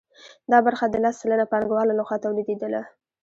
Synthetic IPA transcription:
d̪ɑbaɾxad̪əlast͡sələnapɑŋɡwɑlalaxwat̪awlid̪ed̪əla̰

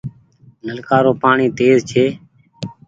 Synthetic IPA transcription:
nəlkaːɾoːpaːɳiːt̪eːzt͡ʃʰeː

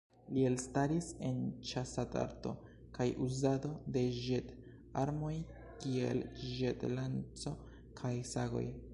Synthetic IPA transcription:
lie̞lstaɾise̞nt͡ʃasata̰ɾto̞̰ | kajʔuzado̞de̞ʒet | aɾmo̞j | kiḛlʒetlant͡so̞ | kʰajsaɡo̞̰j

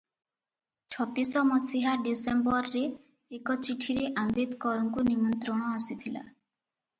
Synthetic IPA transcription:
t͡ʃʰɔt̪isɔmɔsiɦaɖisembɔɾːeː | kɔt͡ʃiʈʰiɾeʔambed̪kɔɾɔŋkunimɔnt̪ɾɔɽ̃ɔasit̪ʰila̰

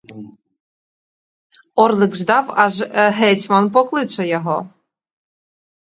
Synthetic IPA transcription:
ɔrlˠɪɡʒd̪ɑwɑʒɦɛt͡sʲmɔnpɔklˠɪt͡ʃɔjɔɦɔ

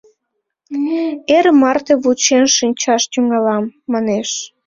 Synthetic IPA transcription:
eɾmɑrt̪eβut͡ɕenʃinʲt͡ɕɑʃt̪ʲyŋɡɑlɑmːɑneʃ

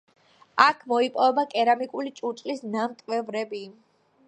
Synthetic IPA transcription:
akʰmɔipʼɔvɛbakʼɛɾamikʼulit͡ʃʼusʼlisnamt̪ʼvɛvɾɛbi

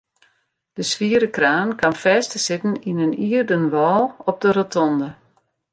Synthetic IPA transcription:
d̥əsʋiəɾəkraːnkʰanfɛːstəsɪtən̩inəniərdənʋɔːlˠɔp̚dəɾotʰɔndə

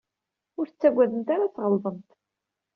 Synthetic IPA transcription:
ʊɾθt͡sːæɡʷːæðənt̪aɾat͡sːʁəlðˤənt̪

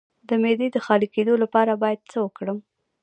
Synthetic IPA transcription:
d̪əmed̪ed̪əxɑɾiked̪olapɑɾabɑjad̪̚t͡səwəkɽəm

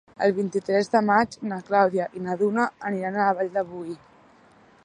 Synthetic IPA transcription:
ə̰lˠβint̪it̪ɾɛzðəmad͡ʒnaklawðjaʔinaðunəːniɾanələβaʎd̪əβuj

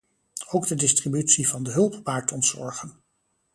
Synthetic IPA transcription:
owɡdədɪstribytsivɑndəɦɵlˠppaːɹtɔntsɔ̰ɹχən

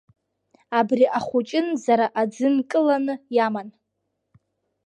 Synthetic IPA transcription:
abriʔaχʷut͡ʃʼɪnzaɾaʔad͡zɨnkʼɨlanɨjaman

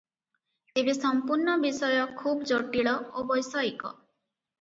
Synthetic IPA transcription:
ebesɔmpuɾɳɔbisɔjɔkʰubd͡ʒɔʈiɭɔobɔjsɔjikɔ̰

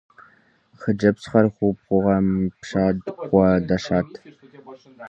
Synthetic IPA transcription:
χəd͡ʒɐpsχɐrχʷupχʷʊʁɐmpʂaːdqʷɔdɐʃaːtʰ

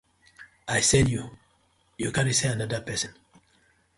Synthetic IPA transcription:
ajsɛju | jukãniseanadapɛsɔ̃n

